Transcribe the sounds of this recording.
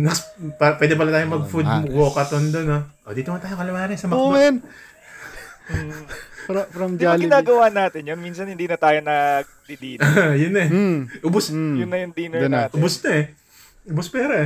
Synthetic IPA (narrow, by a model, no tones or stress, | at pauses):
nɐspapwɛːd̪ɛpɐlɐt̪aːjomɐɡ̚fʊd̪woːkɐt̪ond̪onoʔoːd̪iːt̪omɐnt̪aːjokɐlɐmaːnɛsɐmɐn | ɾɐfɾɐmd̪aːlɡɪnaːɡɐwaːʔnaːt̪ɪnjonmiːnsɐnhɪnd̪iːnɐt̪aːjonɐ | d̪id̪iːajʊnɛʔʊbʊsjʊnːɐjʊŋd̪iːnonaːt̪ʔʊbʊsnɐɛ | ʔʊbospɛːɾɐɛ